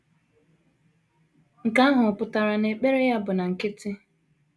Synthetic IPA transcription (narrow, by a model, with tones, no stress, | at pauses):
ŋ̩˨ka˦a˦ɦʊ˨ɔ˨pʊ˨ta˨ɾa˨ne˨k͡pe˦ɾe˦ja˦bʊ˨na˨ŋ̩˨kɪ˦tɪ˦